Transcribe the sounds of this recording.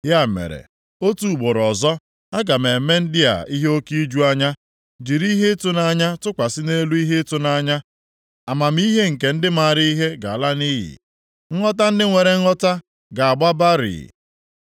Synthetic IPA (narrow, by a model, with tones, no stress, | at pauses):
ɦja˦˨mḛ˨ɾḛ˨ | o˦tu˨ɡ͡bo˨ɾɔ˨zɔ˦ | a˦ɡa˨me˨me˦n̩˦dɪ˦a̰˨i˦ɦe˦o˦ki˦d͡ʒu˦a˦ɲa˦ | d͡ʒi˨ɾi˦ɦe˦tʊ˦na˦ɲa˦tʊ˦kʷa˨sɪ˦ne˦lu˦i˦ɦe˦tʊ˦na˦ɲa˦ | a˨ma˨m̩˦i˦ɦe˦ŋ̩˨ke˨n̩˦dɪ˦ma˨ɾi˦i˦ɦe˦ɡa˨la˦ni˦ɦḭ˨ | ŋ̩˦ŋɔ˦ta˦n̩˦dɪ˦ŋʷe˨ɾe˨˦ɔ˦ta˦ | ɡa˨a˨ɡ͡ba˦ba˦ɾḭ˨